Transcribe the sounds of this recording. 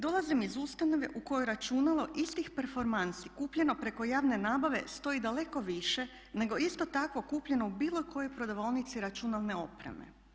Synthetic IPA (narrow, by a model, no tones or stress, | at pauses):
d̪o̞lˠazimizust̪ano̞ʋe̞̰ʔuko̞jojɾat͡ʃunalˠo̞ʔist̪ixpeɾfo̞ɾmansikuːpʎe̞no̞pɾe̞ko̞jaːʋne̞naːbaʋe̞̰st̪o̞id̪ale̞ko̞ʋiʃe̞ | ne̞ɡo̞ist̪o̞t̪akʋo̞kuːpʎe̞no̞ubiːlˠokʰo̞jo̞jpɾod̪aʋolnit̪siɾat͡ʃunalˠne̞o̞pɾe̞̰mḛ